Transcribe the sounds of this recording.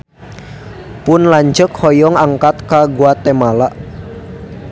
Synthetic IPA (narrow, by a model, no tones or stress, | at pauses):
pʊnlaɲd͡ʒəkhɔjɔŋaŋkat̪̚kaɡuat̪emalaʔ